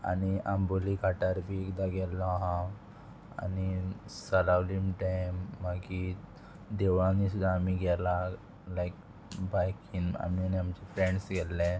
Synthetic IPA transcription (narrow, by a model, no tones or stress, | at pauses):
a̰niamboliɡʱaʈaɾbʱiekd̪aɡɛlːɔɦã | a̰nisəlaʋlimʈajmːaɡi | d̪eʋãnisud̪ʱaːmiɡʱɛla | lajk̚ | bajkina̰mianiamt͡ɕɛfɾeɳɖsɡɛlːɛ̃